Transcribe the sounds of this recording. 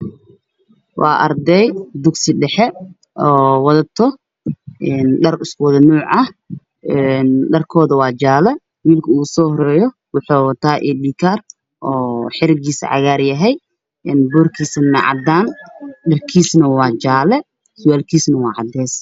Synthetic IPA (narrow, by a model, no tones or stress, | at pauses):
wʔɑ̰ːʔɐrd̪ɛjd̪ʊɡsɪɖɛħɛ | ʔɔːwɑðɐt̪ʰɔ | ʔɛːnɖɐrɪskʰʊwɑðɐnuːʕʔɐh | ɛnɖɐrkʰɔːðɐwɑːt͡ʃaːlɛ | wiːlkʰɐuːsɔːhɔɾɛːjɔ | wʊħuːwt̪ʰaːʔɛːɗiːkʰar | ʔɔːħɪɾɪɡiːsɐ̰ʕɑ̰ɣaːrjɐɦɛj | ɛnbɔːrkʰiːsɐnɐʕɑ̰d̪aːnɖɐrkʰiːsnɐwɑːt͡ʃaːlɛ | sʊwaːlkʰiːsnɐwɑːʕɑd̪ɛːs